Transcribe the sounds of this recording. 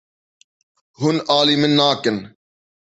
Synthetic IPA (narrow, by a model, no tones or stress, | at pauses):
ɦʊnaːlimɪnːaːkɪn